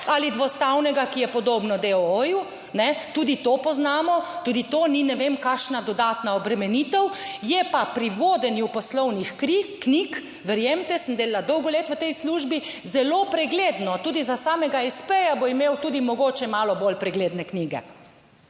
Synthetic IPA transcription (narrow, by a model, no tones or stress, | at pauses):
alid̪ʋɔst̪awnɛɡakijɛpɔd̪oːbnɔd̪eooju | nɛt̪uːd̪it̪opɔznaːmɔt̪uːd̪it̪oːninɛʋemkaːʃnad̪ɔd̪aːt̪naɔbɾɛmɛniːt̪ɛwjɛpapɾiʋoːd̪ɛnjupɔslɔwnixkiknik | ʋɛɾjemt̪ɛsəmd̪eːlalad̪ɔwɡɔleːt̪ʋət̪ɛjsluʒbi | zɛlopɾɛɡleːd̪nɔt̪uːd̪izasaːmɛɡaɛspejaboimewt̪uːd̪imɔɡoːt͡ʃɛmaːlɔbolpɾɛɡleːd̪nɛkniːɡɛ̰